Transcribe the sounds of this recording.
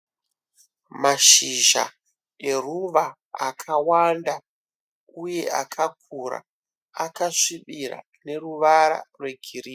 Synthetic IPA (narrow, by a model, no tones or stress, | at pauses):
maʃiʒa̰ | e̞ruʋaː | kʰawanda | uje̞a̰kʰak̚ʰuɾa̰ | akaʂiɓira̰ | ne̞ruʋaɾa̰rwe̞ɡʱiriː